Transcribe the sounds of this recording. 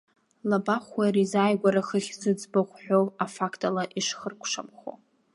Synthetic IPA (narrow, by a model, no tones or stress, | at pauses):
labaχʷwaɾizaːjɡʷaɾaχəχʲzɨd͡zbaχʷħʷᶣowafakʰtʼalaʔiʂχərkʷʰʂamχo̰